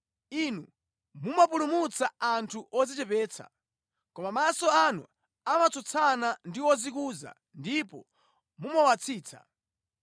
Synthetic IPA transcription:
inu | mumap̬ulumut͡saantʰuʔɔzit͡ʃɛpɛːt͡sʰa̰ | kɔmamasɔanṵ | amat͡sʰɔt͡sʰanandiwɔzikuːza̰ | ndipɔ̰ | mumɔwat͡sʰiːt͡sʰa̰

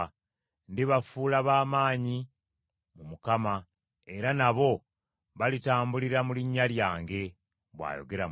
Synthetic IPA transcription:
ndiβafuːlaβaːmaːɲi | mumukama | e̞ɾanaβo̞ | βalitaːmbuliɾamuliɲːaljaːŋɡe̞ | βwa̰ːjo̰ɡe̞ɾa

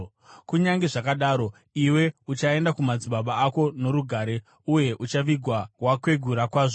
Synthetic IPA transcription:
kuɲaŋɡeʐakaɗaːɾo̞ | iwe̞ut͡ʃae̞ndakumad͡ziɓaɓaːko̞no̞ɾuɡʱaːɾe̞ | uje̞ʔut͡ʃaʋiɡʱwawakwe̞ɡʱuɾakwaːʐo

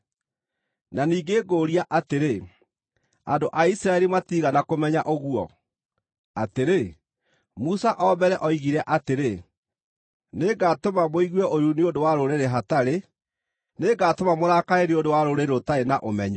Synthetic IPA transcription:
naniːɡeːɡoːɾijaʔateɾe | a̰ndoʔaisiɾaɛɾimatiɣanakomɛɲaʔoɣwɔ̰ | ateɾe | musaʔɔbɛɾɛʔɔiɣiɾɛʔateɾe | neɡatomamoiɣwɛʔoɾuneodowaɾoɾeɾeɦataɾe | neɡaːtomamoɾakaeɾeodowaɾoɾeɾotaenaʔomɛɲɔ

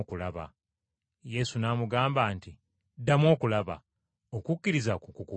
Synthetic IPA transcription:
kulaβa̰ | je̞sunaːmuɡaːmbaːnti | dːamwo̞ːkulaβa̰ | o̞kukːiɾizakukuku

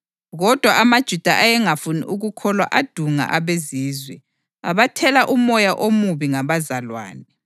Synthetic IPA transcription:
ɣɔd̥ʱwaʔamad̥ʒ̥ʱud̥ʱaʔajɛŋafunḭʔuɣukʰɔlwaʔad̥ʱuŋa̰ʔaβeziːzwɛ | a̰βatʰɛlaʔumɔjaʔomuβiŋaβazalwa̰ːnɛ

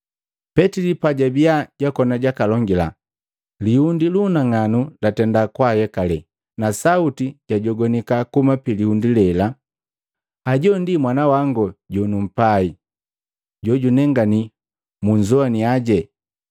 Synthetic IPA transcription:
pɛtilipaɟabiaɟakɔnaɟakalɔŋɡila̰ | lihundilunaŋanulatɛndakwahɛkalɛ | nasautiɟ̥aɟɔɡɔnikakumapilihundilɛla | aɟɔndimwanawaŋɡɔɟɔnum̩pai | ɟɔɟunɛŋɡani | muɲd͡ʒɔaniaɟɛ

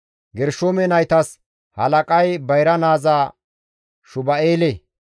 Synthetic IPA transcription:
ɡɛɾʃoːmɛnɐjt̪ɐs | hɐ̰lɐkʼɐjbɐjɾɐnaːzaː | ʃʊbɐeːle

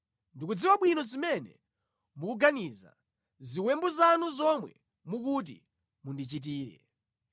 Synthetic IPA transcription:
ndikud͡ziwaɓwinɔzimɛnɛ̰ | mukuɡaniza̰ | ziwɛmbɔzanuzɔmwɛ | muk̬ut̬ḭ | mundit͡ʃit̬iːɾɛ̰

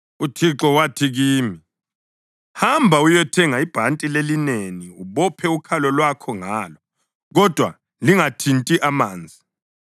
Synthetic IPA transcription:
utʰiǁɔwatʰiɣiːmi | hambʱaujɛtʰɛŋaib̥ʱantʼilelineniuβɔpʰɛukʰalɔlwakʰɔŋaːlɔ | ɣɔd̥ʱwa̰ | liŋatʰintʼiʔamaːnd͡zʱi

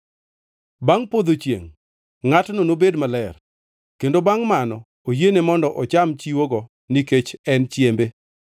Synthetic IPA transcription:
baŋpod̪ot͡ʃjḛŋ | ŋatnonobedmalɛr | kendobaŋmanɔ | ojenemɔndɔʔɔt͡ʃamt͡ʃiwoɡɔ | niket͡ʃɛnt͡ʃjembe

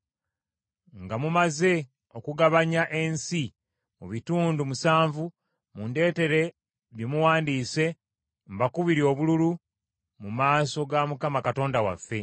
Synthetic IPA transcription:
ŋɡamumaze̞ | okuɡaβaɲaʔe̞nsi | mṵβituːndumusaːɱvu | munde̞ːte̞ɾe̞ | βjimuwaːndiːse̞ | mbakuβiɾio̞ːβululu | mumaːso̞ɡamukamakato̞ːndawafːe̞

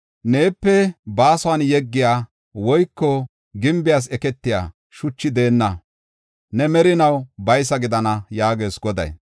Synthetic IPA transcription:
ne̞ːpːɛbaːsɔwanjɛɡːɪjaː | wɔjkːɔ | ɡɪmbɪjaːs̬ɛkɛt̪ːɪja̰ː | ʃʊt͡ʃːɪd̪e̞ːnːɐ | nɛmɛɾɪnɐwbɐjsɐɡɪd̪ɐnɐjaːɡe̞ːsɡɔd̪ɐ̰j

